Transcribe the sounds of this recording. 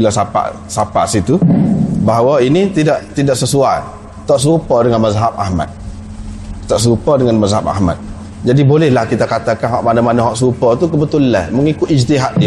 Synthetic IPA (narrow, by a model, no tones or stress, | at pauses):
bilasapa̰ʔ | sapaʔsit̪ubaɦawainit̪idaʔt̪idaʔsəsuaj | t̪aʔs̬upɔdəŋanmazɦap̚a̰hma̰t̪̚ | t̪aʔs̬upɔdəŋanmazɦap̚a̰hma̰t̪̚ | d͡ʒadibolɛhlahkit̪akat̪akanɦɔʔmanamanaɦɔʔsupɔt̪ukəbət̪ulla̰nməŋikʊt̪ist̪iɦaʔ̪̚di